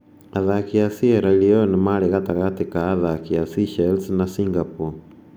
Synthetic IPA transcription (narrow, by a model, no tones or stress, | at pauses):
aðakiasieɾaliɔnemaɾeɣataɣatekaːðakiasiʃaelsnasiŋɡapo